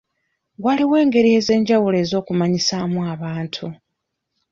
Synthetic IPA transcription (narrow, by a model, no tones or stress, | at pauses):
waliwe̞ːŋɡe̞ɾie̞ːze̞ːɲɟawule̞ːzo̞ːkumaɲisamuaβaːntʰu